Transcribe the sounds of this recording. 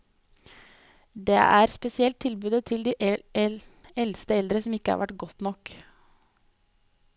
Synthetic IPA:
d̪ḛːʔæːɾspɛsɪɛlt̪ʰːɪlbʉːd̪ət̪ʰɪld̪iːʔ | ɛlst̪əɛld̪ɾəsɔmɪkːəhɑ̰ɾʋʔæʈɡɔt̪nɔk

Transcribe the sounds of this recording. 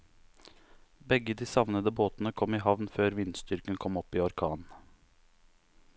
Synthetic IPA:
bɛɡəd̪iːsɑʋnəd̪əboːt̪n̩əkʰɔmiːhɑʋnføːɾʋɪnst̪ʏɾkənkʰɔmɔpːiːɔɾkʰɑːn

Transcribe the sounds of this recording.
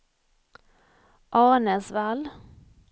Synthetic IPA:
ʔɑːʁnəsʋæl

